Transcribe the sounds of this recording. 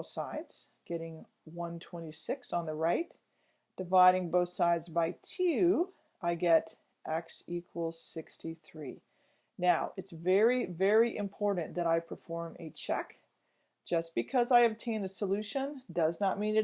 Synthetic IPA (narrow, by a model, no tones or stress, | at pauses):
saɪdz̥ɡ̥ɛɾɪ̃ŋ | wʌ̃ntʰw̥ɛ̃ɾ̃isɪksn̩ðəɹaɪt | d̥ɨvaɪɾɪ̃ŋboʊθsaɪdzbaɪtʰʉ | ʔaɪɡɛɾ | ʔɛksikʰwəl̩ˠz̥sɪkstiθɹi | naʊʔɨtsvɛɹivɛɹiʔɨ̰̃mpʰɔɹʔn̩ðɨɾaɪpʰə˞fɔɹmɨt͡ʃʰɛ̰k | d̥ʒ̥ʌsb̥ɨkʰʌzaɪɨb̚tʰẽɪ̃ndɨsəlʉʃɨ̃ndʌznət̚mĩnɨ